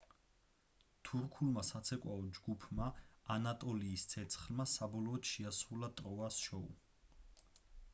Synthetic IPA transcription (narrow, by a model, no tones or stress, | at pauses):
t̪ʰuɾkʰulmasat̪sʰɛkʼwaɔd͡ʒɡupʰmaːnat̪ʼɔliːst̪sʰɛt̪sʰχlmasabɔlɔːt̪ʃiasulat̪ʼɾɔasʃɔu